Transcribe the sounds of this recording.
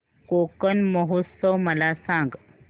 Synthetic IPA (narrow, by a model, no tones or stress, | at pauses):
kokənməɦosəwməlasãŋɡ